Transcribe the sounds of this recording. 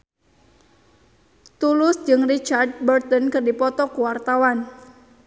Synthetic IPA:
t̪ulʊsd͡ʒɨŋrit͡ʃard̚bərt̪ɔnkɨrdipɔt̪ɔkuwart̪awan

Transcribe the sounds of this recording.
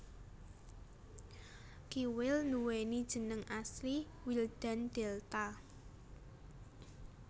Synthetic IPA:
kiwɪlnuwenid̥ʒ̥ə̤nəŋʔasli | wild̪̥a̤nd̪̥ɛlt̪a

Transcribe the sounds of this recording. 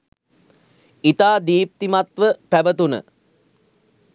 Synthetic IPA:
it̪aːd̪iːp̚t̪imat̪ʋəpæbət̪unə̰

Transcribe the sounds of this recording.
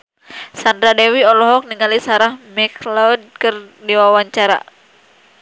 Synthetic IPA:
sand̪ɾadɛwiɔlɔɦɔk̚niŋalisaɾahmɛklɔd̚kərdiwawaɲt͡ʃaɾa̰

